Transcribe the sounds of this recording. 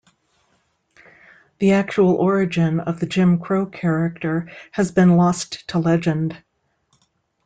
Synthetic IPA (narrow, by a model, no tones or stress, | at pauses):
ðiæk̚t͡ʃul̩ˠʔɔɹɨd͡ʒɪ̃nʌvðɨd͡ʒɪ̃mkʰɹ̥oʊkʰɛɹɨk̚tə˞ɨzbɨ̃nlɔsttʰəlɛd͡ʒɨ̃nd̥